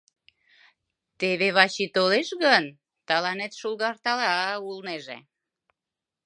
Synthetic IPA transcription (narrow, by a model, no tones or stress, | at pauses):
t̪eβeβɑɕit̪oleʃɣən | t̪ɑlɑnet̪ʃulɣɑrt̪ɑlɑulneʒḛ